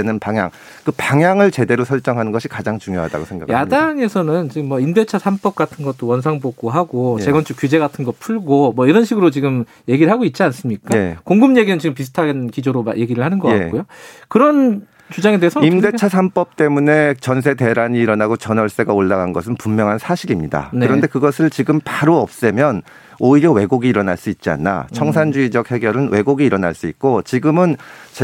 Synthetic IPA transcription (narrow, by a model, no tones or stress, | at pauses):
enɯnpaŋja̰ŋ | kɯpaŋjaŋɯɭt͡ɕe̞de̞ɾosʰʌɭt͡ɕ͈ʌŋɦanɯnɡʌɕʰi̥kad͡ʑaŋt͡ɕuŋjoɦa̰da̰ɡosʰeŋɡa̰kjadaŋe̞sʰʌnɯnt͡ɕiɡɯmːwʌimde̞t͡ɕʰasʰamp͈ʌp̚k͈atʰɯnɡʌt͈owʌns̬ʰaŋbok͈oɦaɡot͡ɕe̞ɡʌnt͡ɕʰuk͈ud͡ʑe̞ɡatʰɯnɡʌt̚pʰuɭɡomwʌiɾʌnɕʰiɡɯɾot͡ɕiɡɯm | je̞ɡiɾɭɦaɡoit̚t͡ɕ͈ians͈ɯmɲik͈akoŋɡɯmɲe̞ɡinɯnt͡ɕiɡɯmpisʰɯ̥tʰaɡenkid͡ʑoɾomaje̞ɡiɾɯɭhanɯnɡʌkkakojokɯɾʌn | t͡ɕud͡ʑaŋe̞deɦesʰʌimde̞t͡ɕʰasʰamp͈ʌp̚t͈e̞mune̞t͡ɕʌns̬ʰe̞te̞ɾaɲiːɾʌnaɡot͡ɕʌnʌɭs͈e̞ɡaoɭːaɡanɡʌs̬ʰɯnpumːjʌŋɦansʰaɕʰiɾimɲida̰nɯɾʌnde̞kɯɡʌsʰɯɭt͡ɕiɡɯmpaɾoʌp̚s͈emjʌn | oiɾjʌwe̞ɡoɡiːɾʌnaɭs͈uit̚t͡ɕ͈ia̰nːa̰t͡ɕʰʌŋs̬ʰand͡ʑuid͡ʑʌk̚he̞ɡjʌɾɯnwe̞ɡoɡiːɾʌna̰ɭs͈uik̚k͈ot͡ɕiɡɯmɯnt͡ɕ